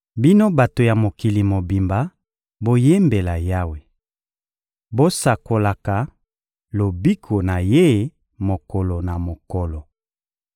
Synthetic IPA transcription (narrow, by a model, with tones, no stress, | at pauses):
bi˦no˦ba˨to˨ja˨mo˨ki˨li˨mo˨bi˨mba˨ | bo˦je˦mbe˨la˨ja˦we˨ | bo˦sa˨ko˨la˨ka˨ | lo˨bi˦kʰo˨na˨je˦ | mo˨kɔ˨lo˨na˨mo˨kɔ˨lɔ˨